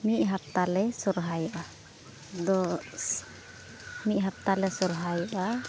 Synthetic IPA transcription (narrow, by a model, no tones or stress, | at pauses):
miʔ̚ɦap̚t̪alɛsɔɾɦajɔʔa | d̪ɔs | mit̪̚ɦap̚t̪alɛsɔɾɦajɔʔa